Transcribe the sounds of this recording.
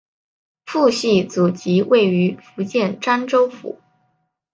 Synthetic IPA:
fu˥˧ɕi˥˩t͡su˨˩t͡ɕi˧˥we˥˩ɪy˧˥fu˧˥t͡ɕjɛ˥˩nʈ͡ʂa˥nʈ͡ʂo˥ʊfṵ˨˧˩

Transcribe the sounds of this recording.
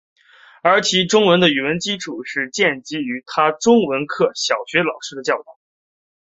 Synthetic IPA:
ə˞˧˥t͡ɕʰi˧˥ʈ͡ʂʊ˥ŋwə˧˥nd̪ə˧y˨˩wə˧˥nt͡ɕi˥ʈ͡ʂʰu˨˩ʂɻ̩˥˧t͡ɕjɛ˥˩nt͡ɕi˧˥y˧˥t̪ʰa˥ʈ͡ʂʊ˥ŋwə˧˥nkʰɤ˥˩ɕjɑ˨˩ʊɕɥɛ˧˥lɑ˨˩ʊʂɻ̩˥d̪ə˧t͡ɕjɑ˥˧ʊt̪ɑ˥˩˦

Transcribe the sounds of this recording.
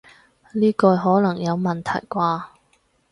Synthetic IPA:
liː˥kɔː˧jɦɔː˨˥lɐ˨˩ŋjɐ˨˧wmɐ˨nt̪ʰɐ̰˨˩jkʷaː˧

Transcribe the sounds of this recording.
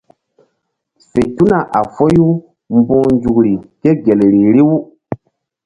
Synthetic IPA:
se˨tu˦na˨ʔa˨fɔ˦ju˦ | mbɔ̃ː˦nd͡ʒu˨kɾi˨ke˦ɡe˨le˨ɾi˨ɾi˦wu˦

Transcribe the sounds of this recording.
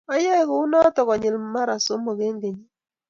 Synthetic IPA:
a˦jɛ˦˨˦kʊ˨˦u˦nɔ˦tɔ˨kɔ˨ɲɪ˨lma˦ɾa˨so˦mo˨ɡe˦ŋɡe˨ɲi˦

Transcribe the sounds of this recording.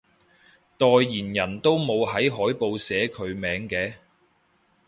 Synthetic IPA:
t̪ɔː˨˧jːiː˨˩njɐ˨˩nt̪o˥wmo˨˧wɦɐ˨˥jɦɔː˨˥jpo˧wsɛː˨˥kʰɵ˨˧ɥmɛː˨˥ŋkɛː˨˧

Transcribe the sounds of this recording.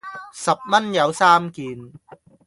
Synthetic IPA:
sɐ˨˩p̚mɐ˥njɐ˨˧wsaː˥mkiː˨˧n

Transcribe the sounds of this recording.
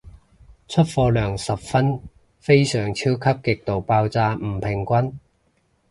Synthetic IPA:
t͡sʰɵ˥t̚fɔː˧lœː˨˩ŋsɐ˨p̚fɐ˥n | fe˥jsœː˨˩ŋt͡sʰi˥wkʰɐ˥p̚kɪ˨k̚t̪o˨wpaː˧wt͡saː˧m̩˨˩pʰɪ˨˩ŋkʷɐ˥n

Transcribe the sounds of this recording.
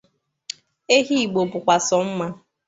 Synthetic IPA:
e˦ɦi˦i˨ɡ͡bo˨pʊ˨kʷa˨sɔ˨m̩˦ma˦

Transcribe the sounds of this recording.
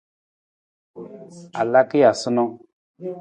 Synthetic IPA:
a˨la˦ki˦ja˨sʊ˦nɔ˦

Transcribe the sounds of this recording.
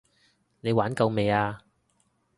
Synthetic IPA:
ne˨˧jwaː˨˥nkɐ˧wme˨˧jaː˧

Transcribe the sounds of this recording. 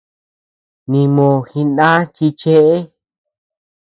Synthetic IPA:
nĩ˨mõ˨xi˧ndã˦t͡ʃi˧t͡ʃe˦ʔe˦

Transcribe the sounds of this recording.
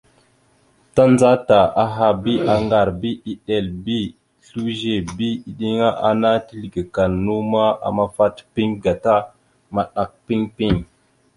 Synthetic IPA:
ta˦nd͡za˦ta˨a˨ɦa˨bi˦ʔa˨ŋɡa˨ɾbi˦i˦ɗe˨lbi˦ | ɬu˦ʒe˨bi˦i˨ɗi˦ŋa˦ʔa˦na˦ti˦li˨ɡi˨ka˨nnu˦ma˦a̰˨ma˦fa˦tpi˦ŋɡa˨ta˦ | ma˨ɗa˨k̚pi˦ŋpi˦˨ŋ

